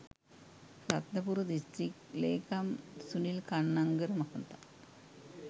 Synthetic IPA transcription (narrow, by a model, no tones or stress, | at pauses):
rɐt̪nɐpuɾud̪istrikleːkɐmsunilkɐɳːɐŋɡɐɾumɐkɐnt̪ɐ